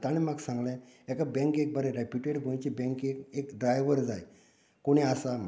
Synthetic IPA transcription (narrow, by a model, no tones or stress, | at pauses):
t̪aɽ̃imaɡsãŋɡlɛ̃ekabɛ̃ŋkek̚bəɾɛɾepuʈeɽɡʱõj̃t͡ɕibɛ̃ŋkekekɖɾajʋəɾd͡zaj | koɽ̃iasam